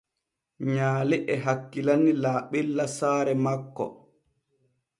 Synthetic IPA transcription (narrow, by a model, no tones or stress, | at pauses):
ɲaːlɛʔɛɦakːilanilaːɓɛlːasaːɾɛmakːɔ̰